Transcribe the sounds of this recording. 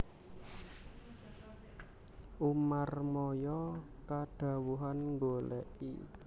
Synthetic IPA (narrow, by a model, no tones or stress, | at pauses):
ʔumarmɔjɔkaɖ̥a̤wuɦanŋɡolɛ̰ʔḭ